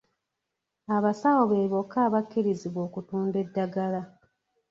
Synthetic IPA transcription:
aβasawoβeːβo̞kːaːβakːiɾiziβwo̞ːkutuːnde̞dːaɡala

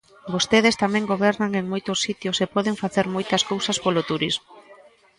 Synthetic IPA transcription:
bost̪eðest̪amɛ̃ŋɡoβɛɾnaŋeŋmojt̪osːit̪josepɔðeŋfaθeɾmojt̪ɐskowsɐspolot̪uɾizmo

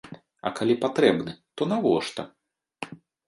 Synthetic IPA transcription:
ɐ̰kalʲipat̪ɾɛbnɨt̪ɔnavɔʂt̪ɐ

